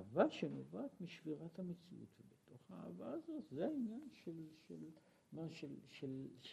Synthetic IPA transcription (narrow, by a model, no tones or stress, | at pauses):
vaʃenovaːt̪miʃv̥iʁathamet͡sḭʔṵt̪vebeto̞χhaa̰ːvaːzo̞t̪zeainjanʃelʃel | maʃelʃel